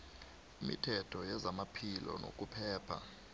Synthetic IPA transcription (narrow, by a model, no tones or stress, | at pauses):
imḭtʰɛtʰɔjɛzamapʰilɔ̰nʔo̰kʼupʰɛːpʰa̰